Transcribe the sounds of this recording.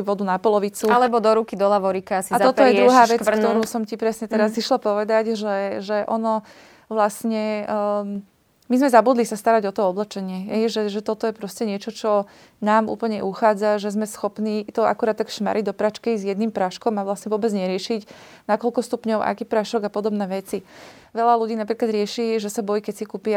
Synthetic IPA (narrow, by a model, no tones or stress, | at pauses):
ʋɔd̪unapɔlɔʋit͡sualɛbɔd̪ɔɾukid̪ɔlaʋɔɾikaasiaɔtɔjɛɾuɦaːʋɛt͡skt̪ɔɾuːsɔmcipɾɛsɲɛt̪ɛɾaziʃlapɔʋɛd̪aɟʒɛʒɛʔɔnɔ | ʋlasɲɛ | mizmɛzabuːd̪lisast̪aɾaɟɔt̪ɔɔblɛt͡ʃɛɲɪɛɦɛjʒɛʒɛt̪ɔt̪ɔjɛpɾɔscɛɲɪɛt͡ʃɔt͡ʃɔ | naːmʔṵːpl̩ɲɛʔuxaːd͡zaʒɛzmɛsxɔpniːt̪ɔa̰kuɾaːt̪t̪ːakʃma̰ɾiɟ̚d̪ɔpɾat͡ʃkɛizjɛd̪nimpɾaʃkɔmaʋlasɲɛʋʊɔːbɛd͡zɲɛɾɪɛʃic | nakɔlkɔst̪upɲɔʊʔa̰kiːpɾaʃɔɡapɔd̪ɔbnɛːʋɛt͡si | ʋɛʎaluɟiːnapɾiːklad̪ɾɪɛʃiːʒɛsabɔjikɛcsikuːpia